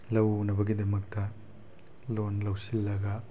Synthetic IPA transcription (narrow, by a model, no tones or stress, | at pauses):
lɐwnɐbɐɡidɐmɐk̚tɐ | lonlɐwsilːɐɡɐ